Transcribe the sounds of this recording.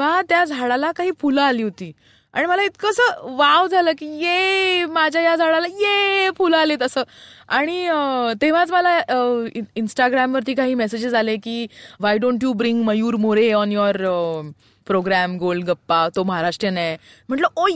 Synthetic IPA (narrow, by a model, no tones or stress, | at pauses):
ʋat̪jad͡zʱaɽalakaɦiːpʰuləːliːɦot̪iː | a̰ɽ̃iməlait̪kəsəʋaʋd͡zʱaləːkiːjemad͡ʑʱjajad͡zʱaɽalajefulaleːt̪əsəːaɽ̃it̪eʋ̤at͡sməlaəinsʈaɡɾamʋəɾt̪iːkaɦiːmɛsed͡ʑed͡zalekiːʋajɖõɳʈjuːbɾiŋɡməjuːɾmoɾeɔnjɔɾə | pɾoɡɾæmɡolɡəpːat̪oməɦaɾaʂʈɾənam̤əɳʈləo